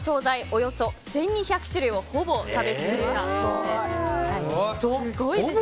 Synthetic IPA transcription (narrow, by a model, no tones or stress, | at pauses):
so̞ːzaiʔo̞jo̞so̞sẽ̞ɲ̟ːiçʲakɯ̟̥ɕɨɾɯ̟io̞ho̞bo̞t̪abe̞sɨkɯt̪aode | ɡoie